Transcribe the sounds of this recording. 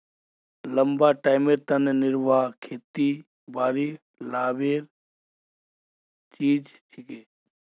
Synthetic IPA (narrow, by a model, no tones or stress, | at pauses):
ləmbaːʈaːɪmeːɾt̪ənenɪɾʋaːkʰeːt̪iː | baːɾi | laːʋeːɾ | t͡ʃiːd͡ʒt͡ʃʰɪkeː